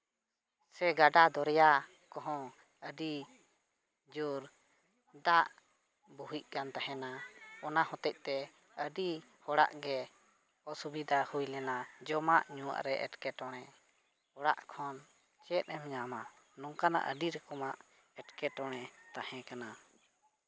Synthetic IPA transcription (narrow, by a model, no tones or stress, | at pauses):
sɛɡaɖad̪ɔɾɛja | kɔɦɔ̃ | əɖi | d͡ʒuɾ | d̪aʔ | buɦic̚ˀkant̪aɦɛ̃naɔnahɔ̃t̪ɛc̚ˀt̪ɛ | əɖihɔɽa̰ʔɡɛ | ɔsubid̪ahujlɛnad͡ʒɔmaʔɲuwa̰ʔɾɛʔɛ̰ʈkɛʈɔɽ̃ɛ | hɔɽaʔkʰɔn | t͡ʃɛt̪̚ˀɛmɲamanɔŋkana̰ʔəɖiɾɛkɔmaʔ | ɛʈkɛʈɔɽ̃ɛt̪ahɛ̃kana